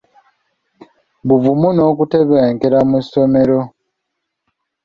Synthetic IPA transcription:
βuvumuno̞ːkute̞βeːŋkeɾamusome̞ɾo̞

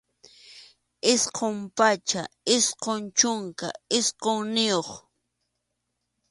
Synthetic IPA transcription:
ɪsqompat͡ʃaɪsqont͡ʃʊŋka̰ɪsqoŋnɪjoχ

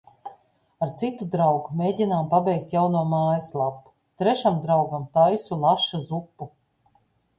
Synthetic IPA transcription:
aɾt̪sit̪ud̪ɾawɡumʲeːɟʲinaːmpabʲɛjk̚t̪jawnuɔmaːjislˠapːu̥ | t̪ɾɛʃamd̪ɾawɡamt̪ajsulˠaʃazupːu

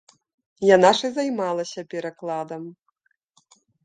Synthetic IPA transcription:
janaʂɨzajmalˠɐsʲɐpʲɛɾaklˠad̪ɐm

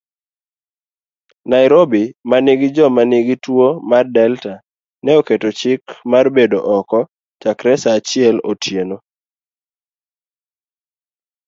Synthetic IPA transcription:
naɪɾobimaniɡɪd͡ʒɔmaniɡitwomardɛlta | nɛoketot͡ʃɪkmarbedoʔɔkɔ | t͡ʃakɾɛsaːt͡ʃɪɛlo̰tʰjeno

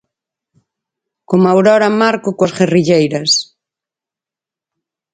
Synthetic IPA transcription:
komawɾɔɾɐmaɾkʊkwɐsɣeriʎejɾɐs

